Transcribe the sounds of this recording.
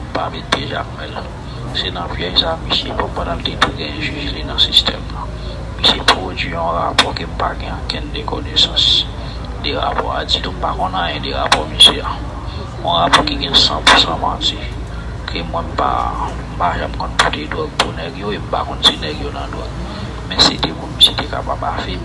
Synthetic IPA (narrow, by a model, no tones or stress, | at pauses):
m̩pameteʒammɛl | senãpjɛjsamisepɔmpãnaltetuɡɛ̃jɛ̃ʒyzlinɐ̃sistʰɛmlã | misepɣod͡zɥiɔ̃ɣapɔkem̩paɡɛ̃ãkɛ̃ndekonesɑ̃s | deɣa̰pɔ̰a̰d͡zidũm̩pakɔ̃nãjɛ̃deɣa̰pɔmisea | ɔ̃ɣapɔkiɡɛ̃sã̰pusãmati | kʰemwɛ̃m̩pa̰ | m̩paʒãm̩kɔ̃nputedwɔɡ̚punɛɡjoem̩pa̰kɔ̃nsenɛɡjonã̰dwɔ̰ɡ̚ | mɛ̃setemũnmisetekapabafɛ